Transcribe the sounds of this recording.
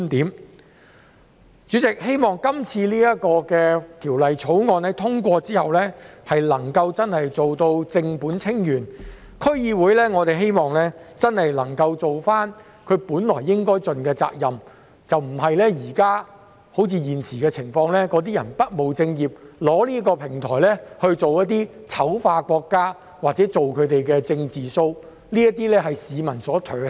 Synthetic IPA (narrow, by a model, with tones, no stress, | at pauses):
nt̪iː˨˥m | t͡ʃyː˨˥t͡sɪ˨k̚he˥jmɔː˨ŋkɐ˥mt͡sʰiː˧liː˥jɐ˥t̚kɔː˧kɛː˧t̪ʰiː˨˩wlɐ˨jt͡sʰo˨˥wŋɔː˨˧nlɛː˥t̪ʰʊ˥ŋkʷɔː˧t͡siː˥hɐ˨wlɛː˥hɐ˨jlɐ˨˩ŋkɐ˧wt͡sɐ˥nhɐ˨jt͡so˨wt̪o˧wt͡sɪ˧ŋpuː˨˥nt͡sʰɪ˥ŋjyː˨˩n | kʰɵ˥ɥjiː˧wuː˨˥jlɛː˥ŋɔː˨˧t̪e˨jɦe˥jmɔː˨˩ŋlɛː˥t͡sɐ˥nhɐ˨jlɐ˨˩ŋkɐ˧wt͡so˨wfaː˥n | kʰɵ˨˧ɥpuː˨˥nlɔː˨˩jːɪ˥ŋkɔː˥jt͡sɵ˨nkɛː˧t͡sa̰ː˧k̚jɐ˨m | t͡sɐ˨wm̩˨˩hɐ˨jlɛː˥jiː˨˩kaː˥ | ho˨˥wt͡sʰiː˧jiː˨˩nsiː˨˩kɛː˧t͡sʰɪ˨˩ŋfɔː˧ŋlɛː˥kɔː˨˧˥t̪̬iː˥jɐ˨˩npɐ˥t̚mo˨wt͡sɪ˧ŋjiː˨˩p̚lɔː˨˥liː˥kɔː˧pʰɪ˨˩ŋt̪ʰɔː˨˩jlɛː˥hɵ˧ɥt͡so˨wjɐ˥t̚t̪̬iː˥ | t͡sʰɐ˨˥wfaː˧kʷɔː˧kːaː˥ | waː˨t͡sɛː˨˥t͡so˨wkʰɵ˨˧ɥt̪e˨jkɛː˧t͡sɪ˧ŋt͡siː˨so˧w | liː˥jɐ˥t̚t̪iː˥lɛː˥ɦɐ˨jsiː˨˧mɐ˨˩nsɔː˨˥t̪ʰœ˨˩